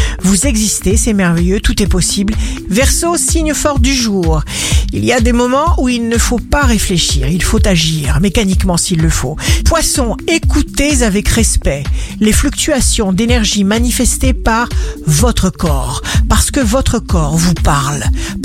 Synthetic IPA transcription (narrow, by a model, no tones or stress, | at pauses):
vuzɛɡzist̪esɛmɛʁvɛjøt̪ut̪ɛpɔsiblvɛʁsosiɲfɔʁd̪yʒuːʁ | ilijad̪emɔmɑ̃ʔuilnəfopaʁefleʃḭʁilfot̪aʒiʁmekanikmɑ̃silːəfopwasɔ̃ekut̪ezavɛkʁɛspɛleflyk̚t̪yasjɔ̃d̪enɛʁʒimanifɛst̪epaʁvɔt̪χəkɔ̰ʁpaʁsə̥kəvɔt̪χəkɔʁvupaʁl